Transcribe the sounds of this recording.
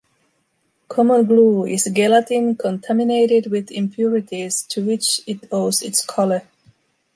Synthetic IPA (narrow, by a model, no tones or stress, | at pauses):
kʰɔmə̃nɡluɪ̰zɡælətĩnkʰɔ̃ntʰæmɪneɪɾɪd̚wɪðɪ̃mpʰjuɹɪɾiz̥tʰuwɪt͡ʃɪtoʊzɪtskʰɔlə˞